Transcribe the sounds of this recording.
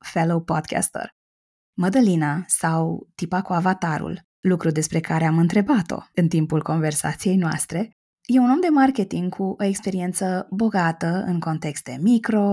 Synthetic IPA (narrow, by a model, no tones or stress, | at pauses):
felowpod̪kʲʰa̰st̪ə̰r | məd̪əlinasawt̪ipakuavat̪aɾṵl | lukɾud̪e̞spɾe̞kaɾe̞amɨnt̪ɾe̞bat̪o̞̰ɨnt̪impulko̞nve̞rsa̰t̪sije̞jnoa̰st̪ɾe̞ | je̞uno̞md̪e̞markʲe̞t̪iŋɡkʰuʔo̞ekspe̞ɾie̞nt̪səbo̞ɡat̪əɨ̰ŋko̞nt̪e̞kst̪e̞mikɾo̞